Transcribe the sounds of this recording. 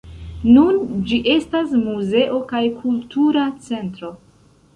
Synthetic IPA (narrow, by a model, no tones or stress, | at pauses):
nund͡ʒiʔe̞stasmuze̞ʔo̞kajkʰultuɾat͡se̞ntɾo̞